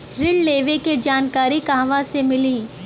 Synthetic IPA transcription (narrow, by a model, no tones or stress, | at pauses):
ɾɪɖleːʋeked͡ʒaːnkaːɾikaːʋasemɪliː